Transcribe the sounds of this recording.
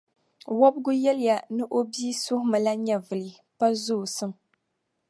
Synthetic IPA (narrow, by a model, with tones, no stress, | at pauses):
wɔ˦bɡʊ˦jɛ˦lɪ˦ja˨nɨ˦ʔo˦biː˦sʊ˦hʊ˦mɨ˨la˦ɲɛ˨vɨ˨lɨ˨ | pa˦zʊ˦˨sɨ˦m